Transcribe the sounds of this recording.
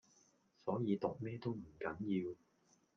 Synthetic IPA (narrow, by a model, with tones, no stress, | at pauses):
sɔː˨˥jiː˨˧t̪ɔ˨k̚mɛː˥t̪o˥wm̩˨˩kɐ˨˥njiː˧w